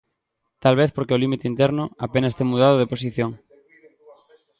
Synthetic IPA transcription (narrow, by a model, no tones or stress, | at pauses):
t̪alβ̞eθpoɾkeolimit̪eint̪eɾnʊapenast̪emuðaðoð̞epos̬iθjõŋ